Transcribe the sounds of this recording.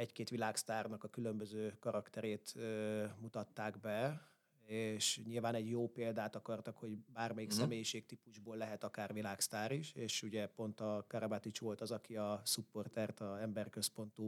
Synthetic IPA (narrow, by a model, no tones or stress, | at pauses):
ɛckeːt̪ʋilaːkst̪aːrnɒkɒkylø̞mbøzøːkɒɾɒkt̪ɛɾeːt̪ːmut̪ɒt̪ːaːɡbɛ | eʃɲilvaːnɛɟjoːpeːld̪aːt̪ɒkɒrt̪ɒkho̞ɟbaːrmɛjiksɛmeːjiʃeːk̚t̪ipuʒboːlːɛɦɛt̪ɒkaːrʋilaːkst̪aːɾiʃeːʃuɟɛpo̞nt̪ɒkɒɾɒbat̪it͡ʃʋo̞lt̪ɒzɒkiɒsupːo̞rt̪ɛrt̪ɒɛmbɛrkø̞spo̞nt̪uː